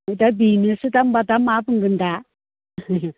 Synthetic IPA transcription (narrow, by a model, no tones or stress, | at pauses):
itabinisitambatamapɨŋɡɨnda